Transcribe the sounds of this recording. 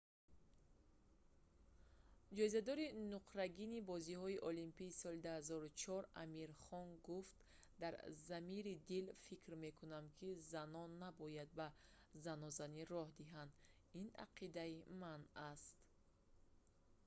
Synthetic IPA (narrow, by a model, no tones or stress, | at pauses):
d͡ʒɔizad̪ɔɾinuqɾaɡinibɔzihɔiʔɔlimpiːsɔlid̪uhazɔɾut͡ʃʰɔɾa̰miɾχɔnɡuft̪ | d̪aɾzamiɾid̪ilfikɾme̞kʰunamkʰizanɔnːabɔjad̪̚ba | zanɔzaniɾɔhd̪iɦand̪ | ina̰qʰid̪aimanast̪